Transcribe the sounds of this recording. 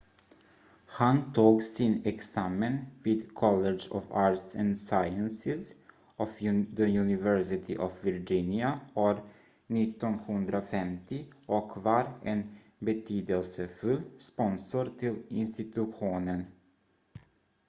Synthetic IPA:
hant̪ʰuːɡsɪnɛksaːmənviːd̪kʰɔlːɛd͡ʒɔ̰vaːɾʈ̪sɛnd̪saɪənsɪs | ʔɔfd̪əjʉnɪvɛɾsɪt̪ʰɪʔɔfvɪɾd͡ʒɪnɪaɔɾ | nɪt̪ːɔnhɵnd̪ɾafɛmt̪ʰɪʔɔkvɑɾɛn | bɛt̪ʰyːd̪əlsəfɵlːspɔnsɔɾt̪ʰɪlɪnst̪ɪt̪ɵɧuːnən

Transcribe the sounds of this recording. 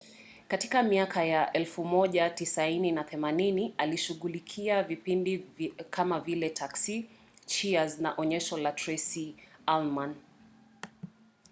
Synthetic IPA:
katikamiakajaʔɛlfumɔʄatisaininaθɛmaninialiʃuɠulikʰiavipindikʰamavilɛtʰaksi | t͡ʃiaznaʔɔɲɛʃɔlatɹɛsialman

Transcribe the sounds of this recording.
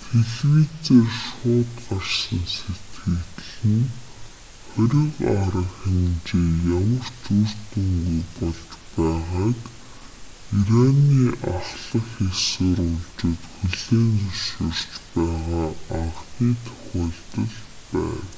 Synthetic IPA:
t̪ʰeɮwit͡seːrʃʊːt̪ɢarsə̆nset̪ɡɘ̆ɣt̪ɮɘ̆n | χœɾʲɪ̆qaɾə̆ŋxemt͡ɕeːjamə̆r̥t͡sur̥t̪ɵŋɡujpɔɮt͡ɕpæːʁaːt̪ | iɾaniːʔaχɮə̆xesʊːɾʊɮt͡ɕɪ̆ːt̪xɵɮeːnt͡sʊsə̆r̥t͡ɕpæːʁaːaʁxiːt̪ʰɵ̥xʲɔːɮt̪ə̆ɮpæ̰ːw

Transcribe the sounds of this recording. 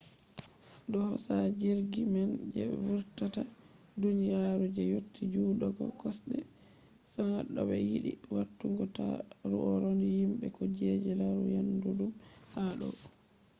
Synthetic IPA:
dɔhɔsad͡ʒiɾɡimɛnd͡ʒɛ̰vuɾtata | dunijaɾud͡ʒɛjotʰːid͡ʒuɗɔɡɔ̰kɔsɗɛ | saŋaɗɔbɛ̰jiɗḭwatːuŋɡɔta̰ɾṵʔɔɾondihimɓɛkɔd͡ʒɛd͡ʒɛlaɾujandudumhaɗɔ̰

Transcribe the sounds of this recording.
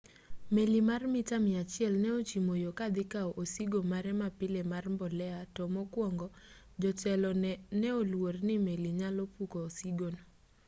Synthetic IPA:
melimarmɪtamɪat͡ʃɪɛlnɛot͡ʃimojokad̪ɪkaɔʔosiɡomaɾɛmapɪlemarmbɔlɛatɔmɔkwɔŋɡɔ | d͡ʒɔtɛlɔnɛolwornɪmeliɲalɔpukoːsiɡono

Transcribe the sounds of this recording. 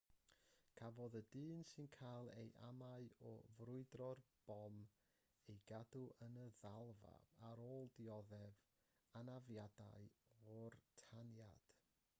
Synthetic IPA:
kʰavɔðədɨːnsɨnkʰajlˠḛjʔamaɨɔ̰vrʊɨdrɔrb̥ɔm | ejɡaduʔənəðalˠva̰aɾoːlˠdiɔðɛv | anavjadaɨɔrtʰanjad̥

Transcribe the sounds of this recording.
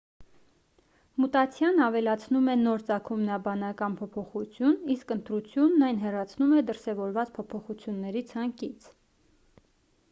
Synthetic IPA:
mut̪ɑt͡sʰjɑnɑvɛlɑt͡sʰnumɛnɔɾt͡sɑkʰumnɑbɑnɑkɑnpʰɔpʰɔχut͡sʰjuniskənt̪ɾut͡sʰjunːɑjnɦɛrɑt͡sʰnumɛd̪əɾsɛvɔɾvɑt͡spʰɔpʰɔχut͡sʰjunːɛɾit͡sʰɑŋkit͡sʰ

